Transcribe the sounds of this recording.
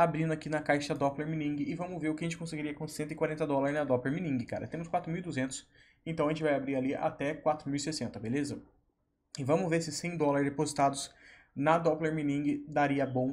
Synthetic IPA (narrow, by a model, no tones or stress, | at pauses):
abɾĩnd̪ʊakinɐkajʃɐd̪ɔpleɾminĩŋɡɪɪvɐ̃mʊzveɾʊkɪɐʒẽnt͡ʃɪkõseɡiɾiɐkõssẽnt̪ʊɪkwaɾẽnt̪ɐd̪ɔlaɾznɐd̪ɔpleɾminĩŋɡɪka̰ɾɐ̰t̪ẽmʊskwat̪ɾʊmiwid̪uzẽnt̪ʊ̥s | ẽnt̪ɐ̃ɐʒẽt͡ʃɪvajabɾiɾalia̰t̪ɛkwat̪ɾʊmiwisesẽnt̪ɐbelezɐ | ɪvɐ̃mʊzveɾsɪsẽj̃d̪ɔlɐɾɪzd̪epozit̪ad̪ʊz | nɐd̪ɔpleɾminĩŋɡɪd̪aɾiɐbõw̃